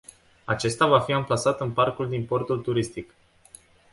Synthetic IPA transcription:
a̰t͡ʃe̞st̪avafiamplasat̪ɨnparkuld̪impo̞rt̪ult̪uɾist̪ik

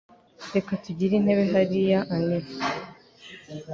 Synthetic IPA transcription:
de̞katuɟiɾin̥he̞βe̞ɦaɾijaʔanem

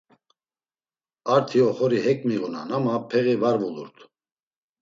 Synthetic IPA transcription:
aɾt̪ʰiɔχɔɾihɛkʼmiɣuna̰namapʰɛɣivaɾvulṵɾt̪ʰ

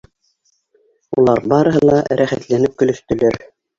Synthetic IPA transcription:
ulˠɑɾbɑɾɤ̆ɦɤlˠɑɾæχæt̪lænɘp̚kɵ̆lɵ̆st̪ɵ̆læɾ

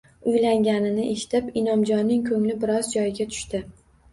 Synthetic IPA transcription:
ʊjlaŋɡʲanɪnɪʔe̞ʃɪ̥t̪ʰɪpɪnɒmd͡ʒɒnːɪŋkʰɵŋlɪbɪɾɒzd͡ʒɒjɪɡʲat̪ʰʊ̥ʃt̪ɪ

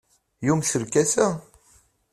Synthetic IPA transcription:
jumʃəɾkæsæ

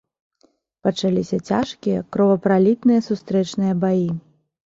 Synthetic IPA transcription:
pɐt͡ʂalʲisʲɐt͡sʲaʂkʲijɐ̰kɾɔvɐpɾalʲit̪nɨjɐsust̪ɾɛt͡ʂnɨjɐbaji

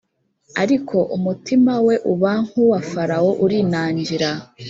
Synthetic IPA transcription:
aɾikʰo̞ʔumutimawe̞ʔuβaŋ̥huwafaɾawo̞ʔuɾiːnaːɲɟiɾa

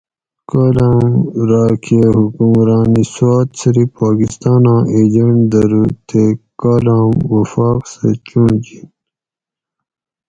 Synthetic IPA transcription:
kaːlaːmɾɑːkʰeɦukumɾɑːniswaːt̪siɾipaːkist̪ɑːnãːʔed͡ʑɐɳʈd̪ɐɾut̪ʰekaːlaːmwɐfaːqsḛt͡ɕuɳd͡ʑin

